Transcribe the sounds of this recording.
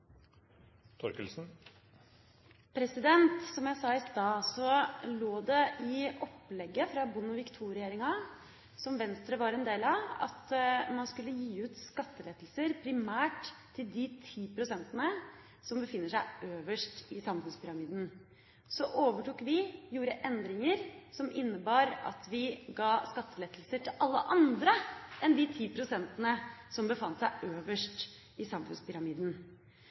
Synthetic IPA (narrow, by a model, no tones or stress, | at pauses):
t̪ʰɔɾkəlsn̩ | pʰɾɛsɪd̪ɛnt̪sɔmjæɪsɑːɪst̪ɑːsɔloːd̪ɛʔɪʔɔpːlɛɡːəfɾɑbʊnːʊʋɪkt̪ʰuːɾɪeːɾɪŋɑ | sɔmʋɛnst̪ɾəʋɑɾɛnd̪eːlɑʋɑ̰t̪mɑnskʉlːəjiːʉːt̪skɑt̪ːəleːt̪l̩səɾpʰɾɪmæːʈ̪ʰː | ɪld̪ɪt̪ʰiːpʰɾʊsɛnt̪ənə | sɔmbəfɪnːəʂæɪʔøːʋəʂʈɪsɑmfʉnspʰʏɾɑmiːd̪n | sɔʔoːʋəʈuːkʋɪjuːɾəʔɛnd̪ɾɪŋəɾsɔmʔɪnːəbɑːɾɑ̰t̪ʋɪɡɑːskɑt̪ːəlɛt̪əlsəʈʰɪlʔɑlːəʔɑnd̪ɾəɛnd̪ɪt̪ʰiːpʰɾʊsɛnt̪ənəsɔmbəfɑnt̪sæɪʔøːʋəʂʈ | ɪsɑmfʉ̰nspʏɾɑmiːd̪n̩